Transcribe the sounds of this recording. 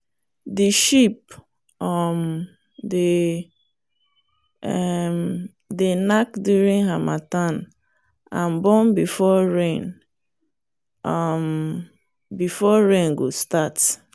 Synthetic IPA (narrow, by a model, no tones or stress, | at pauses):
diʃip̚ | ɔm | de | m | denakdjuɹĩŋɦamatãn | ãnbɔ̃nbifɔɹẽn | ʌm | bifɔɹẽnɡostat